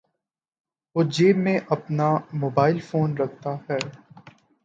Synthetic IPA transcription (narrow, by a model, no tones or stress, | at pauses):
ʋoːd͡ʒeːmẽʔɐpnamoːbaːɪlfoːnɾɐk̚ʰt̪aɦɛː